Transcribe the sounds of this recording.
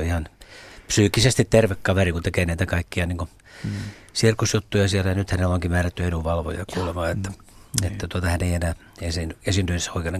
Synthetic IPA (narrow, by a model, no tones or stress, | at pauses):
oihɑnpsyːkːisest̪it̪t̪erʋekːɑʋerikunt̪ekeːnæit̪ækɑikːiɑniːŋku | sirkusjut̪ːujɑsielːæjɑnyt̪hæneloŋkimæːræt̪ːyenuʋʋɑlʋo̰jɑkuːlemɑːet̪ːæ̥ | et̪ːæt̪uot̪ɑhæneienæː | esinyesint̪ynsoikenːe